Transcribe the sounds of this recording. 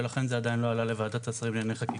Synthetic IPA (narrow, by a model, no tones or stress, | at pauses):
elaχenzead̪ainlo̞alale̞vad̪at̪asʁimleneχaki